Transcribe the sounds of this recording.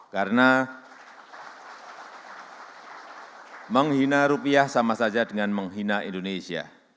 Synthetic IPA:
kaɾəna | məŋɦinaɾupiahsamasad͡ʒadəŋanməŋɦinaḭndonesia̰

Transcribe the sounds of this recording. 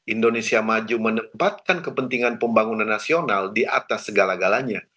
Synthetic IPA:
ʔindonesiamad͡ʒumənəmpat̪̚kankəpənt̪iŋanpəmbaŋunanːasionaldiʔat̪asːəɡalaɡalaɲa

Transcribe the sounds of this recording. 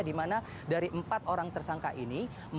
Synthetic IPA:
dimana | daɾiʔəmpat̪oɾaŋt̪ərsaŋka̰ʔini | m

